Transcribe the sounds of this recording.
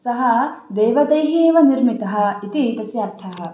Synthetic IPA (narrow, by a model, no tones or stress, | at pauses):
sɐɦɐd̪eːʋɐd̪ɐjɦieːʋɐniɾmit̪ɐɦɐ̆it̪it̪ɐsjaːɾt̪ʰɐɦɐ̆